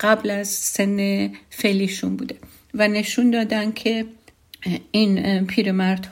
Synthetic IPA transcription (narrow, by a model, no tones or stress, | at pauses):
ɢ̥æblæzsenːefeliːʃunbuːd̪e | væne̞ʃund̪ɒːd̪ænd̪̥̚cʲʰe̞ | inpʰiːɾemæɾd̪̥h